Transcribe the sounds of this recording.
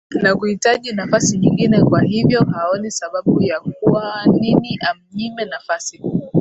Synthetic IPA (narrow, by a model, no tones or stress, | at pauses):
nakuhitaʄinafasiɲiŋɡinɛkwahivjɔɦaɔnisaɓaɓujak̚uwaniniʔam̩ɲimɛnafasi